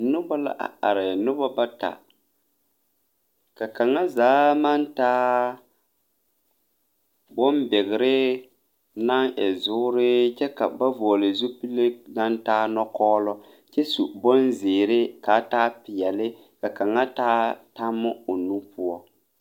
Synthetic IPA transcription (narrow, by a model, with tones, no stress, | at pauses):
nʊ˦ba˦la̰˦ʔa̰˨a˨ɾɪ˨nʊ˦ba˦ba˦ta̰˨ | ka˨ka˨ŋːa˦zaː˨˦ma˦ntaː˦ | bɔ˦mbɛ˨ɣɪ˨ɾɪ˦ | na˦ŋʔɛ˨zʊ˦ɾɪ˦t͡ʃɛ˦ka˨ba˦vɔː˨lɪ˨zu˦pi˦le˦na˦ntaː˦nɔ˦kɔː˦lɔ˦ | t͡ʃɛ˦su˨bɔ˦nzɪː˨ɾɪ˦kaː˨˦taː˦pɪ˨jɛ˨lɪ˦ | ka˨ka˨ŋːa˦taː˦ta˦mːʊ˦o˨nu˦pu˦ɔ˦